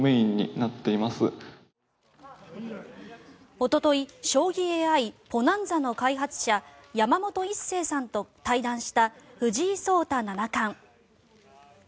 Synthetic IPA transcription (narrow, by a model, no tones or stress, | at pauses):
meːĩɲ̟ːḭnat̪ːe̞imasɨ̰ | o̞t̪o̞t̪o̞iɕo̞ːɡʲieːaipo̞nãnd͡zano̞kaiɦat͡sɨ̥ɕajamamo̞t̪o̞ise̞ːsãnt̪o̞t̪aid̪ãɰ̃ɕi̥t̪aɸɯ̟ʑiːso̞ːt̪ananakãŋ